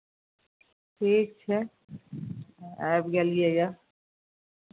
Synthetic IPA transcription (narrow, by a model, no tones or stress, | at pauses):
ʈʰiːk̚t͡ʃʰɛ | ɛːbɡɛlɡiɛja